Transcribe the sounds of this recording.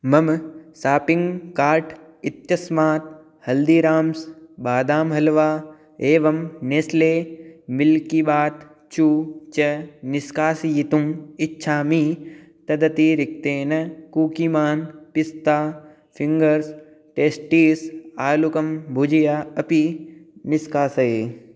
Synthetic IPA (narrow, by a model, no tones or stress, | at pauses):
mɐmsaːpɪ̃ŋɡkaːɾʈ | ɪt̪jɐsmaːt̪ | hɐld̪iːɾaːmsɓaːd̪aːmɦɐlʋaː | eːʋɐmneːsleːmɪlkiɓaːt̪ | t͡ʃuːt͡ʃɐnɪskaːsijit̪umɪtːʃʰaːmiː | t̪ɐd̪ɐt̪iːɾɪk̚t̪eːnɐkuːkimaːnpɪst̪aː | fʰɪ̃ŋɡəɾs | ʈeːsʈiːsaːlukɐmbʱʊd͡ʒijaːɐpinɪskaːsɐeː